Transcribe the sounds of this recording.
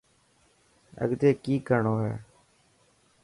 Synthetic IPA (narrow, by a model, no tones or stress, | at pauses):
ə̰ɡd̪eːkiːkəɳoːɦɛ̰ː